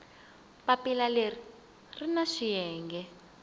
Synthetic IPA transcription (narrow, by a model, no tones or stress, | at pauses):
papilaleri | rinaʂijɛːŋɡɛ